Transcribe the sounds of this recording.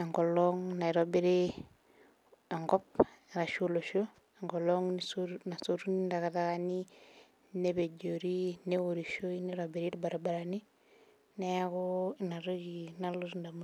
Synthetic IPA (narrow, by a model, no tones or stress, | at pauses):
aŋɡoloŋnaɾobeɾe | aŋɡɔp̚ | ɾaʃoloʃo | aŋɡoloŋnisoɾnasoɾunindakatakani | nebeɟoɾinewoɾiʃoiniɾobeɾitbaɾabaɾani | nejakonaɾod͡ʒinaluɾndama